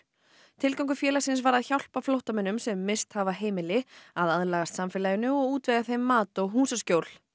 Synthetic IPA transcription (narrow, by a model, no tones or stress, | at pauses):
t̪ʰɪlkawŋkʏfjɛːlasɪns̬vaɾaðçawl̥paflowht̪amɛnːʏmsɛmːɪst̪havaɦeːjmɪlɪaðaðlaːɣast̪samfɪlaːjɪnʏɔɣuːt̪vɛɣaθejmːaːt̪ɔɣɦuːsascoːwl̥